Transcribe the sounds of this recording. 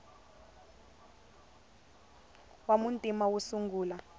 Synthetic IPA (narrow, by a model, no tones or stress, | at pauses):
wamuntʼimawusuŋɡuːla